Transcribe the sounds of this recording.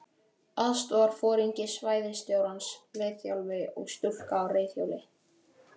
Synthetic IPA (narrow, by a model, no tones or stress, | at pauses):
aðst̪vɔaɾ̥fɔːɾiɲcɪsvaːjðɪnst̪joːwɾansleːjθjawlvɪɔ̰ɣst̪ʏl̥kaːwreːjθja̰wlɪ